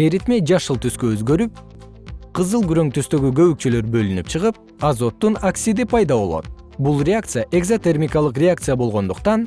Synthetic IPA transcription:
eɾit̪me̞d͡ʒɑʃɯlˠt̪ʰyskøøzɡø̞ɾyp̚ | qʰɯzɯlˠɡyɾø̞ŋt̪yst̪ø̞ɡyɡø̞βyk̚t͡ʃølø̞ɾbø̞lynypt͡ʃʰɯʁɯp̚ | ɑzo̞t̪ːunɐksʲid̪ipʰɑjd̪ɑβo̞lˠo̞̰t̪̚ | bulˠrʲeakt̪sɨjaʔe̞ɡzot̪e̞rmʲikalˠɯqrʲeak̚t̪sɨjabo̞lˠʁo̞nd̪uqt̪ɑn

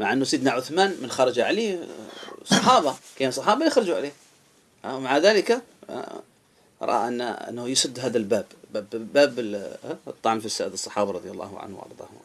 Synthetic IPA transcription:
maʕʔɪnːusˤiːd̪naʕʊθmaːnmɪnxɑɾˤɑd͡ʒaʕali | sˤɑħɑːbɑkeːnsˤɑħɑːbaljɪxɾˤɑd͡ʒuʕa̰leː | maʕaðaːlɪka̰ | ʔɑ̰ɾˤʔɑ̰ːʔɪnːa̰ʔɪ̰nːahujɪsˤɨd̪ːɦaːðalbaːbabbaːb | t̪ˤːɑʕmfɪsaːʔd̪ɨsˤːɑ̥ħɑːbɑɾˤɑd̪ðˤjɑlːɑ̰ːhʊ̰ʕa̰nhw̰ʔɑ̰ɾˤd̪ˤɑ̰ːhʕa

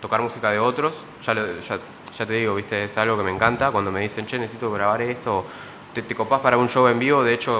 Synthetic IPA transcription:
t̪o̞kaɾmusikað̞e̞o̞t̪ɾo̞s | ʒ̥aloʒa | ʒ̥at̪e̞ðiɣ̞o̞βist̪eesalɣo̞ke̞mẽ̞ŋkant̪akwand̪o̞me̞ð̞ise̞nt͡ʃenesesit̪oɣɾaβ̞aɾest̪o̞ | t̪et̪eko̞paspaɾaunʃowe̞mbiβo̞ðe̞et͡ʃo̞

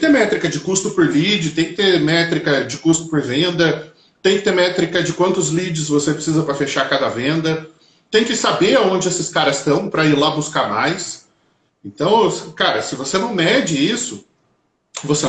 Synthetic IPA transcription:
ɪt̪eɾmɛt̪ɾikɐd͡ʒɪkust̪ʊpʊɾlid͡ʒɪt̪ẽj̃kɪ̥t̪emɛt̪ɾikɐd͡ʒɪkust̪ʊ̥poɾvẽnd̪ɐ | t̪ẽj̃kɪt̪eɾmɛt̪ɾikɐd͡ʒɪkwɐ̃nt̪ʊzlid͡ʒɪzvosepɾɪsizɐpɾɐfeʃakad̪ɐvẽnd̪ɐ | t̪ẽj̃kɪsabeɾaõnd͡ʒɪesɪskaɾɐst̪ɐ̃w̃pɾɐiɾlabuskamajs | ẽnt̪ɐ̃w̃kaɾɐsɪvosenɐ̃w̃mɛd͡ʒɪisʊ | vose

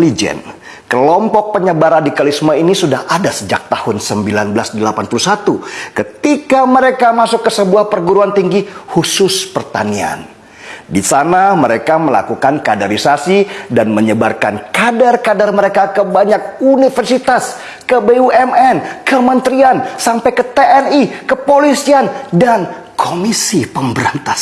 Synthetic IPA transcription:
lid͡ʒɛ̰n | kəlɔmpɔk̚pəɲəbaɾandikalismainisudahadasəd͡ʒak̚t̪ahʊnsəmbilanbəlasdəlapanpulusat̪ukət̪ikaməɾekamasʊkːəsəbuahpərɡuɾuant̪iŋɡihusʊspərt̪a̰nia̰n | disanaməɾekaməla̰kukankadaɾisasidanməɲəbarka̰nkadarkadarməɾekakəbaɲak̚unifərsit̪as | kəbeuɛmɛnkəmənt̪ɾiansampajkət̪eɛnikəpolisiandan | kʰomisipəmbəɾant̪a

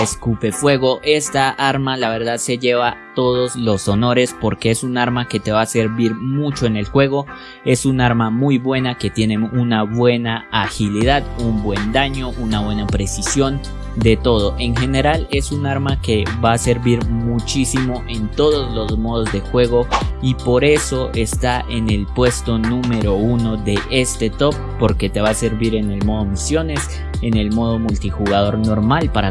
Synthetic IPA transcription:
eskupe̞fwe̞ɣo̞ʔe̞st̪aʔaɾmalaβe̞ɾðaðse̞ʝe̞βat̪o̞ðo̞zlo̞so̞no̞ɾe̞spo̞ɾke̞esunaɾmake̞t̪e̞βase̞ɾβiɾmut͡ʃo̞ene̞lxwe̞ɣo̞ | e̞sunaɾmamujbwe̞nake̞t̪jene̞unaβwe̞naaxiliðaðumbwe̞nd̪aɲo̞ʔunaβwe̞napɾe̞sisjo̞n | d̪e̞t̪o̞ð̞o̞ʔe̞ŋxe̞ne̞ɾale̞sunaɾmake̞βaːse̞ɾβiɾmut͡ʃisimo̞ʔe̞nt̪o̞ðo̞zlo̞zmoðo̞zd̪e̞xwe̞ɣo̞ipo̞ɾe̞so̞e̞st̪aʔe̞ne̞lpwe̞st̪o̞nũme̞ɾo̞uno̞ðe̞ʔe̞st̪e̞t̪o̞p̚ːo̞ɾke̞t̪e̞βase̞ɾβiɾe̞ne̞lmo̞ðomisjo̞ne̞s | e̞ne̞lmo̞ð̞o̞mult̪ixuɣað̞o̞ɾno̞ɾmalpaɾa

